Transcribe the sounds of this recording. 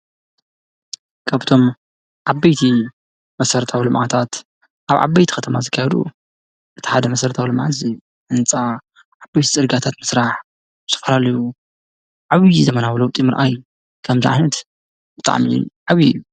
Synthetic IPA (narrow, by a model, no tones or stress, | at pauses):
kʰaβt̪ʰo̞m | ʕabɐjt̪ʰi | mɐsɐɾt̪ʰawilɨmʕat̪ʰat̪ | ʔaβʕa̰bːɐjt̪ʰi̥xɐt̪ʰɐmazɨkʰːajɛd̪ṵ | ʔɨt̪ʰi̥ħad̪ɐmɐsɐɾt̪ʰawilɨmʕazi | ʔɨnt͡sʼa | ʕabajt̪ʰi̥sʼɨɾɡat̪ʰat̪mɨsɾaħ | ɨt̪ʰɐ̥fɐlalɐju | ʕaβizɐmɐnawlɐwt̪ʼimɨɾʔaj | kʰɐmziʕa̰jnɐt̪ | b̥ɨt̪ʼa̰ʕmḭʕaβḭju